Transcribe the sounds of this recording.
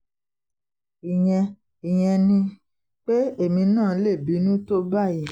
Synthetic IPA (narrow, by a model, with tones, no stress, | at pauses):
i˨j̃ɛ̃˧ | i˨j̃ɛ̃˧nĩ˧ | k͡pe˦e˦˨mĩ˧nãː˦˨˦le˦˨bi˨˦nũ˦to˦ba˦˨ji˨˦